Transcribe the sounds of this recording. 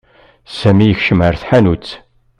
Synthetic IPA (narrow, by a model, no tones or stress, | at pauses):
sæmijəçʃəməɾθħanut͡sː